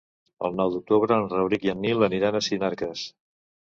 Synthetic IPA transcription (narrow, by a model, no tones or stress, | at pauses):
ə̰lˠnɔwd̪uk̚t̪uβɾəːnrəβɾikjənːilˠəniɾanəsinaɾkəs